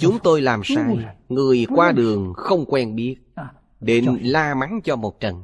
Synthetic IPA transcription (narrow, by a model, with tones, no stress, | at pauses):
t͡ɕʊ˨˦ŋ͡mt̪o˧jlaː˨˩msaː˧jŋɨ˨˩əjkwaː˧ɗɨ˨˩əŋxə˧wŋ͡mkwɛ˧nɓi˦˥ət̚ | ɗe˨˦n˦laː˧ma˨˦ŋt͡ɕɔ˧mo˨˩t̚t͡ɕə˨˩n